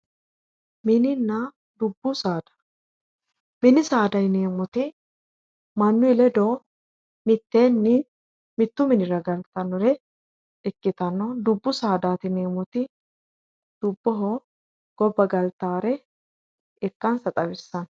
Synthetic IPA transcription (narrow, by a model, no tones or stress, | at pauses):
mɪnɪnːɐ | d̪ʊbːʊsaːd̪ɐ̥ | mɪnɪsaːd̪ɐjne̞ːmɔt̪ɪ | mɐnːʊɪlɛd̪oː | mɪt̪ːe̞ːnːɪ | mɪt̪ːʊmɪnɪɾɐɡɐlt̪ɐnːɔɾɛ | ɪkːɪt̪ɐnːɔd̪ʊbːʊsaːd̪aːt̪ɪneːmɔt̪ɪ | d̪̥ʊbːɔɦo | ɡ̥ɔbːɐɡɐlt̪aːɾɛ | ɛkːɐnsɐt̪ʼɐwɪsːɐn